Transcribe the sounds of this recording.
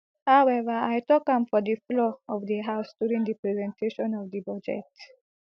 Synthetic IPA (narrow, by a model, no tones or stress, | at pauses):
haʊɛʋəaɪtɔkãmfɔd̪ifloːɔʋd̪iɦaʊsduːɾĩŋd̪ipɾɛzɛ̃ntʰeʃɔ̃nɔʋd̪ibɔd͡ʒḛʈ